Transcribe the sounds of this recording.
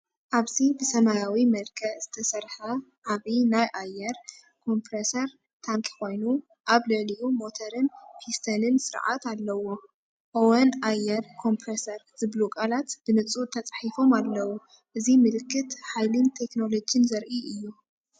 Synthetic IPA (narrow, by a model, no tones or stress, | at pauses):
ʔaβzibɨsɐmajawimɐlkʰɐʔz̥ɨt̪ʰɐsɐɾħɐ | ʔaβinajʔajːɐɾ | kʰo̞mpɾesɐɾ | t̪ʰaŋkʰʼi̥kʰo̞jnu | ʔaβlɨʕlijumo̞t̪ʰɐɾɨnpʰist̪ʰɐnɨnsɨɾʕa̰t̪alːɐwo̞ | ʔoenajɐɾkʰo̞mpʰɾesɐɾzɨβlukʼalat̪b̥ɨnɨt͡sʼut̪ʰɐt͡sʼħifo̞malːɐwu | ʔɨzimɨlɨkːɨt̪ħajlɨnt̪ʰe̞kno̞lo̞d͡ʒɨnzɐɾʔiʔɨjːu